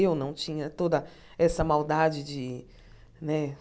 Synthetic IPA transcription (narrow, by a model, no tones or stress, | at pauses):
ewnɐ̃w̃t͡ʃĩɲɐt̪od̪ɐ | ɛsɐmawd̪ad͡ʒɪd͡ʒɪ | nɛ